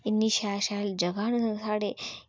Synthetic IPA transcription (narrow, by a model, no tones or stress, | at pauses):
inːiɕaɕald͡ʑəɡaɳsaɽe